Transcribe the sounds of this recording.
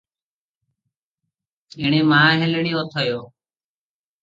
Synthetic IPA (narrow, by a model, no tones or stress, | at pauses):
ɪːɳ̃eːmãːɦɪlɳiːoːt̪ʰəjoː